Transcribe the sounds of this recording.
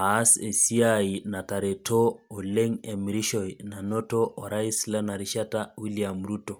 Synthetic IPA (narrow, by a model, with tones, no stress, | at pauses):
a˦se˨si˦ai˨na˨ta˨ɾe˨tʰoː˦˨le˦ŋe˨miɾi˦ʃɔina˨no˦toʔɔ˨ɾa˦i˦sla˦na˨ɾi˦ʃatawi˦liamɾuto˨